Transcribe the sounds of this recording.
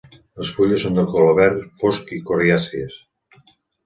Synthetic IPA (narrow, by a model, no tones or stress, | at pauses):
əsfuʎesond̪əkoloβɛɾfoskikoriasies